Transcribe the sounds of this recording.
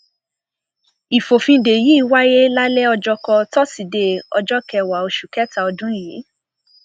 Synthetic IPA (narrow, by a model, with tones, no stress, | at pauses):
i˨fo˨fĩ˧˦de˨ji˨˦i˦˧˨wa˦ɾe˦la˦lɛ˦ɔ˧d͡ʒɔ˦kɔ˧tɔ˦si˨de˧ɔ˧d͡ʒɔ˦kɛ˧wa˨o˧ʃu˨kɛ˦ta˦˨ɔ˧dũ˦ji˨˦